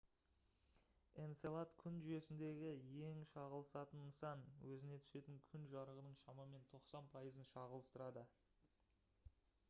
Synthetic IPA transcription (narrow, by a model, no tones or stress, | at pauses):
e̞nselˠat̪kʲʰʏnʒʏje̞sɪnd̪e̞ɡʲɪje̞ŋʃɑʁəlˠəsɑt̪ənːəsɑnwɵzɪne̞t̪ʰʏ̥se̞t̪ɪŋkʲʰʏnʒɑɾəʁənəɴʃɑmɑme̞nt̪ʰo̞qsɑnpʰɑjəzənʃɑʁəlˠəst̪əɾɑd̪ə